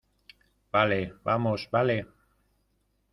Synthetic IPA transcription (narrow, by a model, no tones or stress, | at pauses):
b̥alebamoʃbale